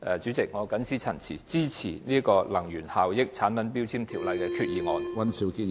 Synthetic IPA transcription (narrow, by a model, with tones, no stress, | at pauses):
ʔɛː˨t͡ʃy˨˥t͡sɪ˨k̚ŋɔː˨˧kɐ˨˥nsʰiː˥t͡sʰɐ̰˨˩nt͡sʰḭ˨˩t͡siː˥t͡sʰiː˨˩niː˥ə˥kɔː˧lɐ˨˩ŋjyː˨˩nhaː˨wjɪ˥k̚t͡sʰaː˨˥npɐ˨˥npiː˥wt͡sʰiː˥mt̪ʰiː˨˩wlɐ˨˧jkɛ˧kʰyː˧t̚jiː˨˧ŋɔː˨˧nwɐ˦˥nsi˨˥wki˥